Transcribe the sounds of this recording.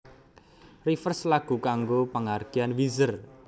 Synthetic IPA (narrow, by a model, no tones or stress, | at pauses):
rifərslaɡ̥ṳkaŋɡopəŋarɡ̥ianwizər